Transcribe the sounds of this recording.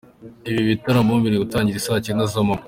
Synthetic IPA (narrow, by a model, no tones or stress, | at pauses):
iβiβitaɾamuːmviɾeutaːɲɟiɾisaciɾenazomam